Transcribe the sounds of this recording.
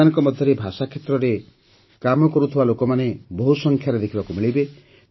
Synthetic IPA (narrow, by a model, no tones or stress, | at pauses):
anɔŋkɔmɔd̪ʱjɔɾebʱasakʰːet̪ɾɔɾe | kamɔkɔɾut̪ʰibalokɔmaneboɦusɔŋkʰjaɾed̪ekʰibakumiɭibe